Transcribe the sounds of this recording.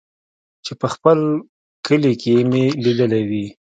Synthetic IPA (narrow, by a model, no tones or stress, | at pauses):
t͡ʃepəxpəl | kəlikemelid̪əlawi